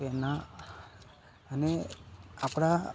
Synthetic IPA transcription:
ena | əneapɽ̃a

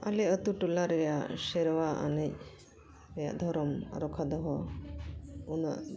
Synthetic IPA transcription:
a̰lɛət̪uʈulaɾɛjaʔsɛɾwaa̰nɛc̚ | ɾɛja̰ʔd̪ʱɔɾɔm̰ɾɔkʰad̪ɔɦɔ | unaʔ

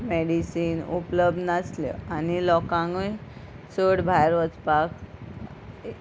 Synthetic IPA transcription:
meɽisiːnupləb̚d̪nasljɔ̰anilɔkãŋɡəj | səɽbʱajɾʋət͡spak

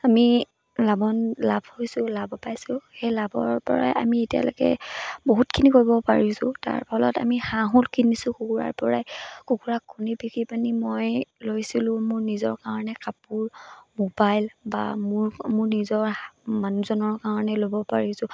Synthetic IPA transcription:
ami | labɔnlab̥ʱhojsʊlabɔpajsʊxɛjlabɔ̰ɹpɔ̰ɹa̰ja̰mietija̰lɔ̰kɛ̰boɦutkʰinikoɹibɔpaɹisʊ̰̃ta̰ɹpʰɔlɔ̰ta̰mihãɦulkʰinisʊ̃kukuɹa̰ɹpɔɹajkukuɹakʰːunipikipanimojlojsilʊ̃mʊɹnizɔ̰ɹkaɹɔnɛkapʊɹmobajlba̰mʊɹmʊɹnizɔɹmanuzɔnɔɹkaɹɔnɛlobɔpaɹisʊ̃

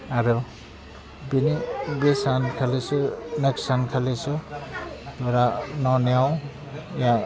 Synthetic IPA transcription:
aɾo | binibesankʰalesʰuneksankʰalesʰu | t̪oɾanɔnjaw̃ | jã

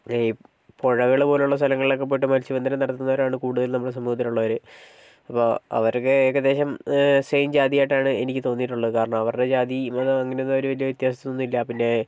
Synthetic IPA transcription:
poɻɐɣɐɭpo̞ːleuɭːɐs̬t̪ʰɐlɐŋːɐɭilo̞k̬ːe̞p̬ːoːjiʈːɨmɐlit͡ɕiʋɐnɐnɐmnɐɽɐt̪ːunːɐʋɐɾaːɳɨkuːɽuðɐlnɐmːɐɭes̬ɐmːuhɐt̪̬ːiluɭːɐʋɐɾɨ | ɐpːoːɐ̰ʋɐɾokːekːed̪e̞ːɕɐmsejmd͡ʑaːd̪ijajʈːaːɳɨe̞nikʲːɨt̪o̞ːnːiʈːuɭːɐðɨkaːɾɐɳɐmɐʋɐrɨɽe̞d͡ʑaːd̪iɐðɨɐŋːɐne̞jonːɐʋoɾuʋɐlijɐʋit̪jaːsɐt̪ːunoːnːilːɐpinːe̞

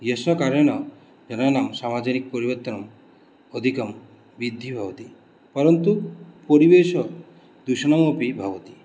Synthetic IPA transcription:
jesnɔkaɾɔñɔ | d͡ʒɔnanamsamad͡ʒanikpɔɾibɔɾt̪ɔnɔm | ɔd̪ʱikɔm | bid̪ʱːibʱabɔt̪i | pɔɾɔnt̪upoɾibesɔ | d̪usɔñɔmopibʱabɔt̪i

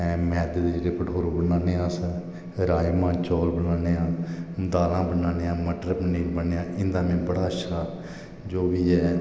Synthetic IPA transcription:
mɛːd̪d̪d͡ʒeɾeːpəʈʰoːɾõːbənaːneːãːsə | ɾaːjmãːt͡ʃɔːlbənaːneːãːd̪aːlãːbənaːneːãːməʈɾəpniːlbəneːãːʔɪnd̪ãːmɛ̃ːbəɽaːʃʰaː | d͡ʒoːʋiːɛː

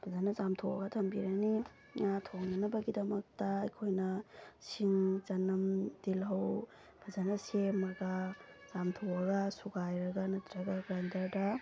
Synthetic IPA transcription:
b̥ʰʱɐzanɐzamtʰowɐ̰ɡɐtʰɐmbiɾɐni | ŋatʰoŋnɐnɐbɐɡidɐmɐk̚tɐːjkʰojnɐsiŋt͡ʃɐnɐmdilɦɐw | b̥ʰʱɐzanɐsemɐɡaz̥amtʰowɐɡɐsuɡajɾɐɡanɐt̪ɾɐɡaɡɾajndɐɾdɐ

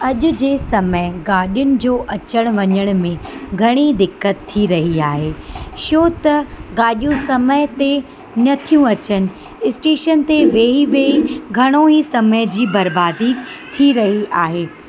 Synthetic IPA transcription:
ɐʄʊ̆d͡ʑeːsɐməɦɪɡaːɗijʊnɪ̆d͡ʑoːʔɐt͡ɕəɽ̃ʋɐɲəɽ̃̆mẽɡʱɐɽ̃id̪ɪkːət̪ʰːiɾɐɦiaːɦeːʃoːt̪ɐɡaːɗijũsɐməɦɪt̪e | nɐt̪ʰijũɐt͡ɕənɪ̆ | ɪsʈeːʃənt̪eʋeːɦiʋeːiɡʱɐɽ̃oisɐməɪd͡ʑiːbɐɾbaːd̪i | t̪ʰiɾɐɦiaːɦeː

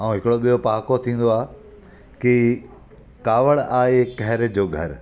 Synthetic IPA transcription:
ãːũɦɪkɪɽoɓijopaːkot̪ʰĩːn̆d̪oaːɦ | ki | kaːʋəɽ̃aːekɛɦɪɾ̆d͡ʑoːɡʱɐɾ

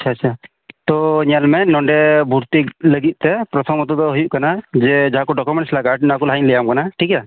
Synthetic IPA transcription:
at͡ʃʰat͡ʃʰa | t̪ɔɲalmɛnɔɳɖɛbʱuɾt̪ikləɡit̪̚ˀt̪ɛpɾɔt̪ʰɔmɔt̪ɔd̪ɔɦujuʔkanad͡ʒɛd͡ʒaɦakɔɖɔkumɛɳʈslaɡaʈ̚naakɔlaɦinləjamkanaʈʰika

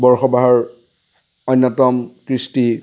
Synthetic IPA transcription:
bɔɹxɔbaɦɔɹ | ɔjnːɔtɔmkɹisti

